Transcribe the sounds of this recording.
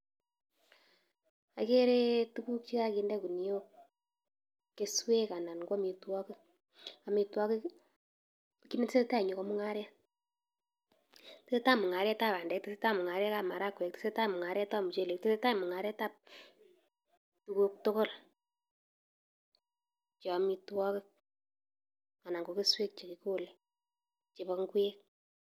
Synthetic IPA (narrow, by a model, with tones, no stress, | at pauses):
a̰˨ke˦ɾe˦tu˦ku˦kt͡ʃi˦ka˦ki˧ndɛ˦ku˨ni˨jo˦ | e˨˦swe˦ka˨na˨nɡa˦mi˨twɔ˦ke˦ | a˨mi˨twɔ˦ke˦˨ | ki˦ne˦tse˦ta˦i˨ɲu˨kɔ˦mu˦ŋa˦ɾja˦ | tese˦ta˦mu˨ŋa˨ɾja˦ta˦pa˨ndɛ˨˦k̚te˦se˦ta˦mu˨ŋa˨ɾja˦ka˨ma˨ɾa˦kwɛ˨k̚te̥˦se˦ta˦˨mu˨ŋa˨ɾja˦ta˦mu˨t͡ʃe˦˨le˨k̚te˦se˦ta˦i˨mu˨ŋa˨ɾɛ˦ta˦˨p̚ | tu˧ko˦k̚to˦ko˦l | t͡ʃɔ˨mi˧twɔ˦kɪ˦k̚ | a˨na˨ŋɡo˨ke˦swe˦k̚t͡ʃe˨ki˨˦ko˦le˦ | t͡ʃe˨bɔ˧ŋɡwe˦k̚